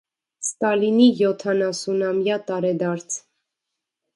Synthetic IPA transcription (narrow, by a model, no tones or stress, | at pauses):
st̪ɑlinijɔt̪ʰɑnɑsunɑmjɑt̪ɑɾɛd̪ɑɾt͡sʰ